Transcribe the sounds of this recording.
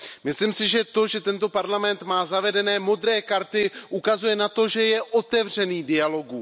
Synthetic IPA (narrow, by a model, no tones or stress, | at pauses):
mɪslimsɪʒɛt̪o̞ʒɛt̪ɛnt̪o̞paɾlamɛnt̪maːzavɛdɛnɛːmo̞d̪ɾɛːkaɾt̪ɪʔukazujɛnat̪o̞ʒɛjɛʔo̞t̪ɛvr̝ɛniːdɪalo̞ɡu